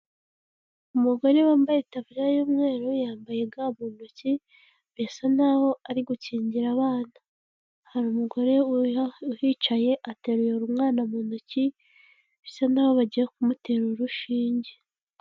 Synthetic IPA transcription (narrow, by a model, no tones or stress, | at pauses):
umuɡo̞ɾe̞waːmbajetavuɾjajuːmŋe̞ːɾojaːmbajeɡamuːnoci | βesanaːho̞aɾiɡuciːɲɟiɾaβaːna | haɾuːmuɡo̞ɾe̞uhit͡ʃaje̞ʔate̞ɾujeuɾumŋaːnamunoci | isanaːho̞βaɟijekumute̞ɾuɾuʃiːɲɟe